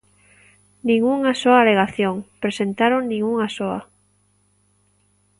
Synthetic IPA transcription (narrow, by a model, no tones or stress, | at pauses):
nĩŋuŋasoaːleɣaθjoŋpɾesent̪aɾoŋnĩŋuŋasoɐ̰